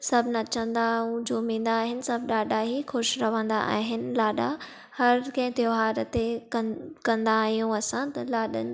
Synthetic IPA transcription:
sɐbʱnɐt͡ɕə̃nd̪aũd͡ʑoːmĩːn̆d̪aːɦɪnɪ̆sɐbʱɗaːɗaɦixʊʃɾɐʋ̤ə̃nd̪a̰ʔa̰ːɦɪnɪ̆laːɗa | hɐɾkɐ̃ɦɪ̃t̪joɦaːɾt̪ekɐ̃kɐ̃nd̪aːɦijũɐsãt̪ɐlaːɗə̰nɪ

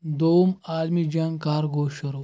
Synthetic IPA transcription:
d̪owmaːlmid͡ʒɐŋɡkaːɾɡoːʃɐɾo

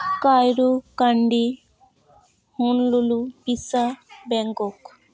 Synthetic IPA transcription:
kaːjɾukɐɳɖi | hunlulupisɐbeŋɡok

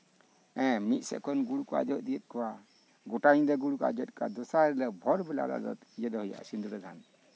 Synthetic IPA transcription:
ɛ̃mit̪̚sɛ̰ʔkʰɔnɡuɽukɔa̰d͡ʒɔʔ̚d̪ijɛt̪̚kɔwa | ɡɔʈaɲd̪ɔɡuɽuka̰d͡ʒɔt̪̚kɔa̰d̪ɔsaɾɛlɔbʱɔɾbɛla̰la̰d̪ɔ̰t̪id͡ʒɛd̪ɔhɔja̰ʔa̰sind̪uɾɛd̪ʱan

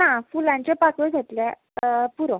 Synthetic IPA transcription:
nafulãɲt͡ɕjapakəd͡zʱat̪lja | puɾɔ̃

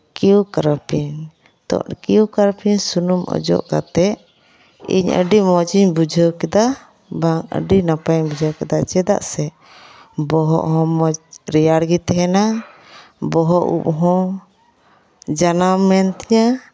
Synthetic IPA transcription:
kiukaɾəpiɲ | t̪ɔ̰̃ʔkiukaɾpiɲsunumʔɔ̰d͡ʒɔ̰ʔkat̪ɛ | ḭɲə̰ɖimɔd͡ʒiɲbud͡ʒʱəwkɛd̪a | baŋə̰ɖinapaɲbud͡ʒʱawkɛd̪ad͡ʒɛd̪a̰ʔsɛ | bɔɦɔ̰ʔɦɔ̃mɔd͡ʒɾɛjaɽɡit̪ɛɦɛna | bɔɦɔʔṵp̚ɦɔ̃ | d͡ʒanamɛnt̪iɲa

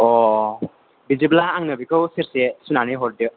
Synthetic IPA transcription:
ɔ | biziblaːŋnɯbikɯwseɾsesunaniɦɔɾ̚dɯ

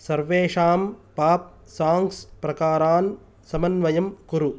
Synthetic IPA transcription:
sɐɾʋeːʂaːmpaːp̚ | saːŋkspɾɐkaːɾaːn | sɐmɐnʋɐjɐmkuɾu

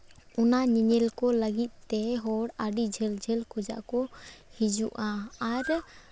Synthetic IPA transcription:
ʊnaɲiɲɛlkɔləɡit̪̚ˀt̪ːɛɦɔɽaɖid͡ʒʱɛld͡ʒʱɛlkʰɔd͡ʒa̰ʔkɔhid͡ʒuʔaaɾ

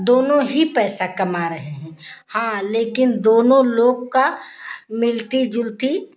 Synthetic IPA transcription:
d̪oːnõɦipɛːsakɐmaɾɐɦeɦɛ̃ːhãːleːkɪnd̪oːnõloːɡkamɪlt̪id͡ʒʊlt̪i

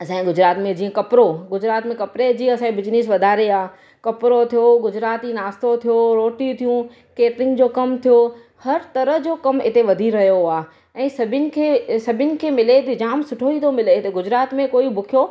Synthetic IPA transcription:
ɐsɛ̃ĩɡʊd͡ʑɾaːt̪mẽd͡ʑiːə̃kɐpɾoɡʊd͡ʑɾaːt̪mẽkɐpɾed͡ʑiːɐsãːĩbɪd͡ʑnɪsʋɐd̪ʱaːɾeaː | kɐpɾot̪ʰijoɡʊd͡ʑɾaːt̪inaːst̪ot̪ʰijoɾoːʈit̪ʰijũ | keːʈɾɪ̃ŋɡd͡ʑoːkɐmt̪ʰijo | hɐɾt̪ɐɾəɦd͡ʑoːkɐmɪt̪eʋɐd̪ʱiɾɐɦjoaː | ɛ̃ːsɐbʱɪnɪ̆kʰeːsɐbʱɪnɪ̆kʰeːmɪlet̪d͡ʑaːmsʊʈʰoit̪ʰomɪlet̪ɐɡʊd͡ʑɾaːt̪mẽkoːibʊkʰijo

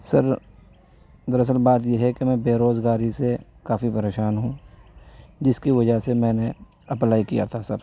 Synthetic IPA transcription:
sɐɾ | d̪əɾɐs̬əlbaːt̪̬jeɦɛkemɛ̃ːbeːɾoːzɡaːɾisekaːfipɐɾeːʃaːnɦũ | d͡ʒɪskiʋɐd͡ʒəsemɛ̃ːne | ɐplaːikija̰t̪ʰasɐɾ

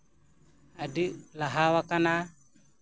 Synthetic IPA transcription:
adilaɦawakana

